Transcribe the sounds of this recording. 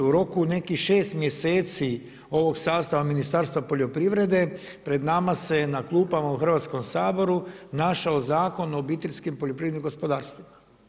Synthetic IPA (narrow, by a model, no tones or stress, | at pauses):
uɾo̞kune̞kihʃe̞ːst̪mje̞se̞ːt̪si | o̞ʋo̞ɡsaːst̪aʋaminist̪aɾst̪ʋapo̞ʎo̞pɾiʋɾe̞d̪e̞ | pɾe̞d̪namase̞naklˠuːpamauxrʋaːt̪sko̞msaːbo̞ɾunaʃaozaːko̞no̞bit̪eʎʲskimpoʎopɾiːʋed̪nimɡospo̞d̪aːɾst̪ʋima